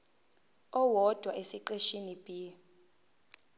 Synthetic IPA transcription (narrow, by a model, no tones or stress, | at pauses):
ɔwɔd̥ʱwaʔesiǃeʃinib̥ʱi